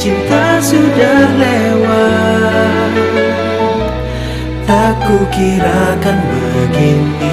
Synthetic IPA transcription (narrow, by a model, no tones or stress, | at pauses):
t͡ʃint̪asudahlewa | lakukiɾakanbakɪn